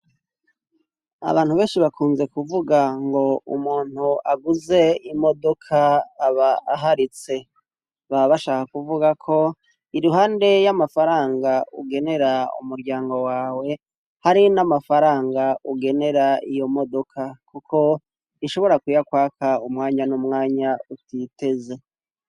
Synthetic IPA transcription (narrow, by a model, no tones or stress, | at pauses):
a̰βaːn̥huβe̞ːnʃiβakʰuːnze̞kuvuɡaŋɡo̞ṵmuːn̥huaɡuze̞imo̞do̞kʰaːβaɦaɾit͡se̞ | βaβaʃaːkakuvuɡakʰo̞ | iɾuɦaːnde̞jamafaɾaːŋɡaṵɡe̞ne̞ɾaṵmuɾɟaːŋɡo̞waːwe̞ | haɾinamafaɾaːŋɡauɡe̞ne̞ɾaijo̞mo̞do̞kʰakukʰo̞ | iʃo̞βo̞ɾakwiːjakwaːkʰaumŋaːɲanumŋaːɲautite̞ze̞